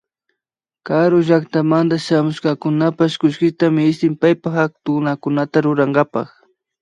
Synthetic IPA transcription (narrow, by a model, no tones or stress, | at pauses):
kaɾʊʒakt̪amand̪aʃamʊʃkɑkʊnapaʃkʊʃkɪt̪amɪɪʃt̪ɪmpajpaxak̚t̪ʊnakʊnat̪aɾʊɾaɴɢɑpɑ̰χ